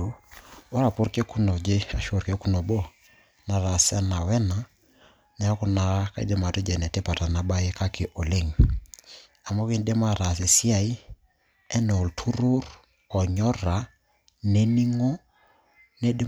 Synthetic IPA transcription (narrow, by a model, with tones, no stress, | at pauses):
ɔ˦ɾa˨po˦ɾke˦ku˦nɔ˨d͡ʒe˦a˨ʃo˦˨ɾke˦ku˦nɔ˨bɔ˦ | na˨ɾa˨sa˦na˨wɛ˦na˨ | na˨˦a˦ku˦na˨ka˦ḭ˦de˦ma˨tɔ˦d͡ʒɛ˨nɛ˨te˦pa˨ta˨na˨ba˦je˦ka˦kɪ˨ʔɔ˨le˦ŋ˨ | a˨mɔ˦ki˦n˦de˦ma˦ɾa˨s̬e˨si˦a˨i˦ | ɛ˦nɛ˨ɔ˨ltʰu˦ɾo˦r | ɔ˨ɲɔ˦ɾa˨ | ne˦ni˦ŋɔ˦ | nɛ˦de˦